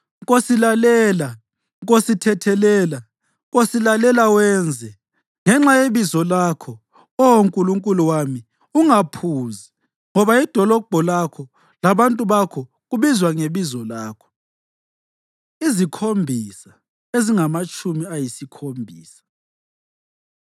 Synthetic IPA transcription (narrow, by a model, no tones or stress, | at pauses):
ɣosilalɛːla | ɣositʰɛtʰɛlɛːla | ɣosilalɛlawɛnd͡zʱɛ | ŋɛŋ͡ǁajeβizɔlakʰɔ | ɔwoŋkʼuluŋkʼuluwami | uŋapʰuːzi | ŋɔβaid̥ʱɔlɔb̥ʱɔlakʰɔ | laβantʼuβakʰɔ | ɣuβizwaŋeβizɔlaːkʰɔ̥ | izikʰombʱisa | eziŋamat͡ʃʰʼumiajisikʰombʱiːsḁ